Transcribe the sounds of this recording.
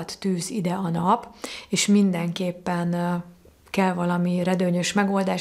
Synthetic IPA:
t̪ːyːzid̪ɛɒnɒpeːʃmind̪ɛŋkeːpːɛn | kɛlvɒlɒmirɛd̪øːɲø̞ʃmɛɡo̞ld̪aː

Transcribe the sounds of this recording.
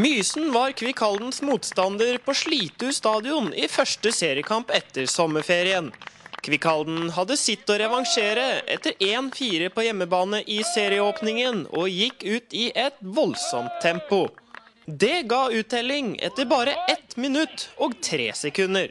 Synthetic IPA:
myːsnʋɑɾkʰʋɪkʰɑld̪n̩smuːt̪st̪ɑnd̪əɾpʰɔʂɭiːt̪əʉːst̪ɑːd̪ɪʊnɪfœʂʈəseːɾɪəkʰɑmpɛt̪ːəɾsɔmːəfeːɾɪənkʰʋɪkʰɑld̪n̩ɦɑd̪ːəsɪt̪ːɔɾɛʋɑŋʂeːɾəʔɛ̰t̪ːəɾeːnfiːɾəpʰɔjɛmːəbɑːnəʔɪseːɾɪəoːpnɪŋənɔ̰jɪkːʉːt̪ɪʔɛt̪ʋɔlsɔ̰mt̪ʰːɛmpʊ | d̪ɛɡɑːʉːt̪̚ɛlːɪŋʔɛ̰t̪ːəɾbɑːɾəʔɛt̪mɪnʉt̪ːɔːɡt̪ʰɾḛːsɛkʰʉnːəɾ

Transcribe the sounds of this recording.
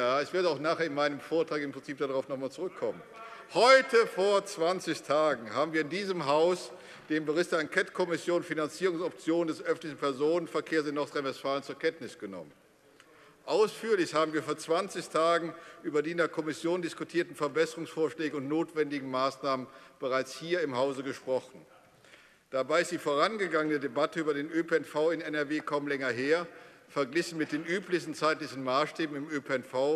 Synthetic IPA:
jaːɛsv̥ɪɐdəaʊxnaːχeːɐɪnmaɪnəmfoːɐtʁ̥aːkɪmpʁ̥ɪnt͡siːp̚d̥aʁaʊfnɔχmaːlt͡suʁʏkʰːɔmənhɔʏtʰəfoːɐt͡sv̥ant͡sɪçtʰaːɡŋ̩haːbm̩viːɐɪndiːzəmɦaʊs | d̥eːmbəʁɪçtd̥eːɐankʰɛtkʰɔmɪsjoːnfinant͡siːʁʊŋsɔp̚t͡sjoːnəndɛsʔœfntlɪçn̩pʰɛɐzoːnənfɛɐkʰeːɐs̬ɪnːɔɐtʁ̥aɪnvɛstfaːlənt͡suːɐkʰɛntnɪsɡ̥ənɔ̰mən | ʔaʊsfyːɐlɪçhaːbm̩viːɐfoːɐt͡sv̥ant͡sɪçtʰaːɡŋ̩ʔyːbɐdiːɪndeːɐkʰɔmɪsjoːndɪskutʰiːɐtn̩fɛɐbɛsəʁʊŋsfoːɐʃlɛːɡəʊntnoːtv̥ɛndɪɡŋ̩maːsnaːmənb̥əʁaɪt͡shiːɐɪmɦaʊzəɡəʃpʁ̥ɔχn̩ | d̥abaɪɪstd̥iːfoːʁanɡəɡaŋənədebatəyːbɐɾeːnʔøpeɛnfaʊɪnɛnɛɐveːkʰaʊmlɛŋɐɦeːɐfɛɐɡlɪçn̩mɪt̚d̥eːnʔyːplɪçstn̩t͡saɪtlɪçn̩maːsʃtɛːbm̩ɪmøpeɛnfaʊ

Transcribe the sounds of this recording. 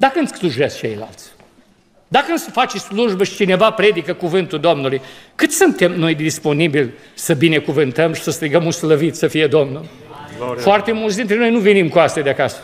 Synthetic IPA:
d̪akəɨnt̪ssluʒes̚t͡ʃḛjla̰lt̪sʲ | d̪akəɨnsfat͡ʃsluʒbəʃi̥t͡ʃine̞vapɾe̞d̪ikəkuvɨnt̪uld̪o̞mnulujkɨt̪ssɨnt̪e̞mno̞jd̪ispo̞nibilʲ | səbine̞kuvɨnt̪əmʃi̥səst̪ɾiɡəmunsləvit̪səfije̞d̪o̞mnul | foart̪e̞mult̪s̬d̪int̪ɾenojnuvenimkuast̪ʲjad̪eakasə̥

